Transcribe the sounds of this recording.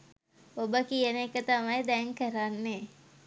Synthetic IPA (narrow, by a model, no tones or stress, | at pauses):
obəkijənekət̪amajd̪ɛŋkəɾanːe